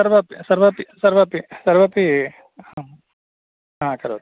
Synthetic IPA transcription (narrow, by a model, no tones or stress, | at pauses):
ɐɾʋɐpisɐɾʋɐpisɐɾʋɐpisɐɾʋɐpi | hã | ɦãːkɐɾo̰t̪